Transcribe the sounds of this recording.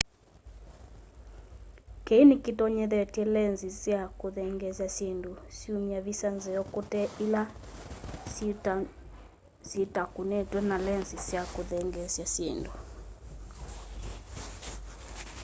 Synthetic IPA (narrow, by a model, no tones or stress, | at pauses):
kɛinikitɔɲɛðɛtiɛlɛnzizjakoðɛŋɡɛzjasjendusiumiaβisanzɛjɔkotɛila | sitakunɛtwɛnalɛnzisjakoðɛŋɡɛsjasendu